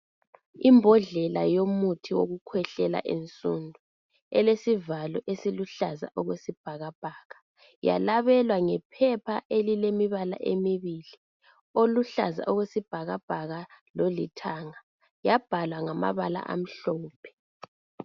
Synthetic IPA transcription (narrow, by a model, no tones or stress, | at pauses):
imbʱɔɮɛlajomutʰiwoɣukʰwɛɬɛla̰ʔent͡sʼundʱu | ɛlesivalɔʔesiluɬaza̰ʔɔɣwesib̥ʱaɣab̥ʱaːɣa | ja̰laβɛlwaŋɛpʰɛpʰaʔelilemiβala̰ʔemiβili | oluɬa̰za̰ʔɔɣwesib̥ʱaɣab̥ʱaɣalolitʰaŋa | jab̥ʱalwaŋama̰βala̰ʔa̰m̩ɬɔːpʰɛ̥